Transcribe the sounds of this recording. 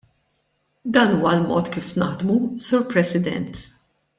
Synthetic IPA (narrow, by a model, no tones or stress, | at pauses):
d̪ɐːnuːwɐlmɔ̰ːt̪kiːfnɐħd̪musuːɾpɾɛsɪd̪ɛ̰nt̪